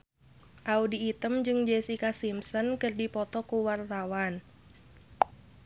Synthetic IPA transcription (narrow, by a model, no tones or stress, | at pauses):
ʔaudiːt̪əmd͡ʒɨŋd͡ʒɛsikasimsɔnkərdipɔt̪ɔkuwart̪awan